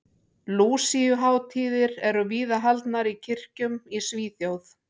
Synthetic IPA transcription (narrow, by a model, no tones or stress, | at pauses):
luːsiʏɦaːwt̪ʰiːðɪɾɛɾʏviːðaɦalt̪naɾicʰɪr̥cʏmisviːθjowθ